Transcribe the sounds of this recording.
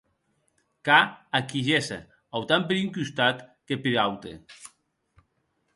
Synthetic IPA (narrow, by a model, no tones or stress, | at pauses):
kaakiʒesḛ | awt̪ampeɾiŋkyst̪at̪kepeɾawt̪ḛ